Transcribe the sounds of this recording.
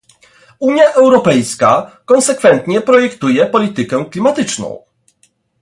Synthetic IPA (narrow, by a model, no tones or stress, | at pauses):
uɲjaʔɛwɾɔpɛjskakɔ̃ñsɛkfɛnt̪ɲɛpɾɔjɛkt̪ujɛpɔlʲit̪ɘkɛ̃klʲimat̪ɘt͡ʂnɔ̰̃w̃